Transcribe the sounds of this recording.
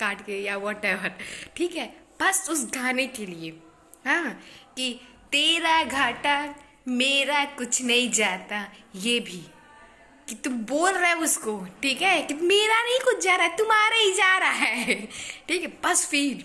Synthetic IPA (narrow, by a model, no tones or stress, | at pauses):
kaːʈkejawɔʈɛːʋəɾʈʰiːkɦɛb̥ɐsʊsɡʱaːnekelie | ɦãːki | t̪eːɾaɡʱaːʈa | meːɾakʊt͡ʃʰnɐɦĩd͡ʒaːt̪ajeːbʱi | kit̪ʊmboːlɾaɦɛʊskoʈʰiːkɦɛkimeːɾanɐɦĩkʊt͡ʃʰd͡ʒaːɾaɦɛt̪ʊmaːɾeɦid͡ʒaːɾaɦɛːʈʰiːkɦɛpɐsfiːɖ